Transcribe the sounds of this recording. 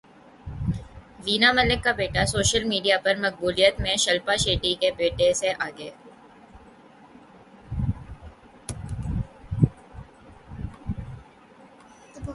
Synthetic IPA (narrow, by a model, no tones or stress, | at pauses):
ʋiːnamɐlɪkːabeːʈasoːʃəlmiːɖijapɐɾmɐk̚buːlijət̪mẽʃɐlpaʃeːʈikebeːʈeseʔaːɡeː